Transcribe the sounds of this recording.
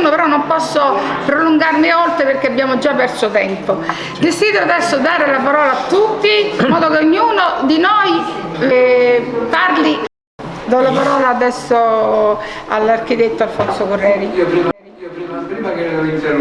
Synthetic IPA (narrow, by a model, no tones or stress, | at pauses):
nopeɾɔnːompɔsːopɾoluŋɡarmiolt̪ɾeperk̟eabːjaːmod͡ʒapːɛrsot̪ɛmpo | d̪esiːd̪ɾoad̪ɛsːod̪aːɾelapaɾɔːlaat̪ːut̪ːimːɔːd̪okeoɲːuːnod̪inoj | parli | d̪alapaɾɔːlaːd̪ɛsːo | a̰lːark̟it̪et̪ːoalfonsokorːɛːɾii